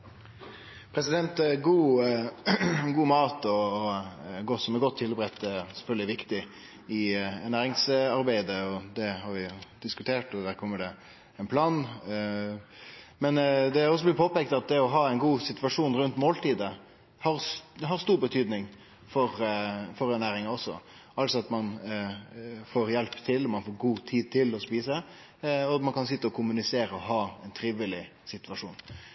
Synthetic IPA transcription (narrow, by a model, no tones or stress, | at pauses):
pʰɾɛsɪd̪ɛnt̪ɡuː | ɡuːmɑːt̪ɔ | ɡɔt̪sɔmɛɾɡɔt̪ʰːɪlbɾɛt̪ːɛsɛfœld̪ɪʋɪkt̪ɪ | ɪɛnæːɾɪŋsɑɾbæɪd̪əɔd̪ɛhɑɾʋɪd̪̥ɪskʉt̪ʰeːʈɔd̪æːɾkʰɔmːəɖɛ | ɛnpʰlɑːn | mɛnd̪ɛɔs̬ɔblɪpʰoːpɛk̚t̪ɑt̪̚d̪ɛɔɦɑːɛɪnɡuːsɪt̪ʋɑʂuːnɾʉnt̪moːlt̪iːd̪ə | hɑɾsɦɑɾst̪uːɾbət̪ʰyːd̪nɪŋ | fɔɾfɔɾɛnæːɾɪŋɑɔsːɔ̰ | ʔɑlt̪sɔɑt̪mɑn | foːɾjɛlpt̪ʰɪlːɔmɑnfoːɾɡuːt̪ʰiːd̪̚t̪ʰɪlɔspiːsə | ɔɑt̪mɑnkʰɑnsɪt̪ːəɔkʰʊmʉnɪseːɾəɔɦɑːɛɪnt̪ʰɾiʋɪlɪsɪt̪ʋɑʂuːn